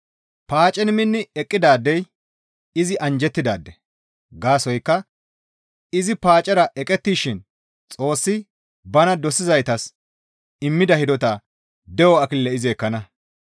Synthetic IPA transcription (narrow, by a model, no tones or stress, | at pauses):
paːt͡ʃʼɛnmɪnːɪɛkʼːɪd̪aːd̪ːɛj | ɪzɪʔɐnd͡ʒɛt̪ːɪd̪a̰ːd̪ːɛ | ɡaːsɔjkːɐ | ɪzɪpaːt͡ʃʼɛɾɐʔɛkʼɛt̪ːiːʃɪn | t͡sʼo̞ːsːɪ | bɐnɐd̪ɔsɪzɐjt̪ɐs | ɪmːɪd̪ɐhɪd̪ɔt̪ɐ | d̪ɛwɔɐkɪlːɛɪzɪɛkːɐnɐ